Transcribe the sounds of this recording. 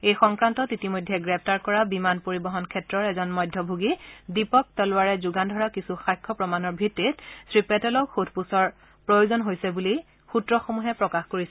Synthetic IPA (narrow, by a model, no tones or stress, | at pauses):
ejxɔŋkɹantɔtitimojdʱːɛɡɹɛp̚ʰtaɹkɔɹabimanpoɹibɔɦɔnkʰɛtɹɔɹɛzɔnmɔjdʱːɔbʱuɡidipɔk̚tɔlʊwaɹɛzʊɡandʱɔɹakisuxajkʰːɔpɹɔmanɔɹbʱitːitsɹipɛtɛlɔkxudʰʱpusɔɹ | pɹojozɔnɦojsɛbuli | xutɹɔxomuɦɛpɹɔkaxkoɹisɛ